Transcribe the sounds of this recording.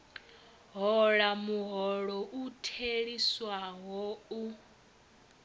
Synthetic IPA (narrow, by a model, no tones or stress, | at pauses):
ɦɔɺamuɦɔɺɔʔutʰeɺiswaɦɔu